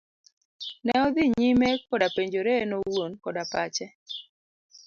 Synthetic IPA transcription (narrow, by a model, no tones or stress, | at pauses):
nɛɔd̪iɲimekːɔdapeɲd͡ʒoɾenowonkɔdapat͡ʃɛ